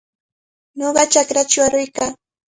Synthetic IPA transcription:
ɲoɢɑt͡ʃakɾat͡ʃʊaɾʊjkaː

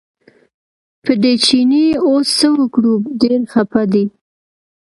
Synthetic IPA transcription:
pəɖet͡ʃiniosːəwəkɽubɖeɾxapad̪i

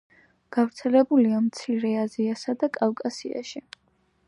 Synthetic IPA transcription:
ɡ̥avɾt̪sʰɛlɛbuliamt̪sʰiɾɛaziasad̪akʼalkʼasia̰ʃi

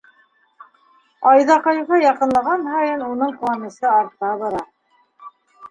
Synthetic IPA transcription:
ɑjðɑqɑjuʁɑjɑqɤ̆nlˠɑʁɑnhɑjɤnunɤɴqlˠamʲɤ̆sɤɑɾt̪ɑβɑɾɑ

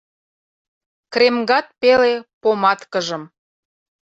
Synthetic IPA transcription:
kɾemɡɑt̪̚pelepomɑt̪kəʒə̆m

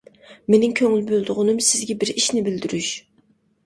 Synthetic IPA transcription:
menɪŋkʲʰøŋylbøld̪ʊʁʊnɨmsɪzɡʲɛbɪɾiʃnɪbɪld̪yɾyʃ

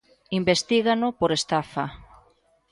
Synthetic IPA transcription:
imbest̪iɣanʊpoɾest̪afa

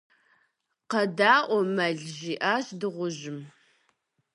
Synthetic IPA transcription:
qɐdaːʔʷɔmɐɮʒiːʔaːɕdɨʁʷʊʑɪm

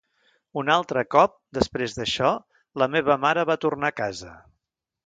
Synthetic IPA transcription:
unalˠt̪ɾəkɔp̚d̪əspɾezðəʃɔ | ləmeβ̞əmaɾəβat̪urnakazə

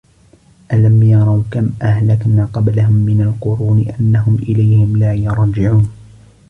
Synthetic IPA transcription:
ʔalamjɑɾˤɑwkamʔahlakmaːqɑblaɦʊmːɪnalqʊɾuːnɪʔanːahʊmʔɪlajhɪmlaːjʊɾˤd͡ʒɪʕuːn

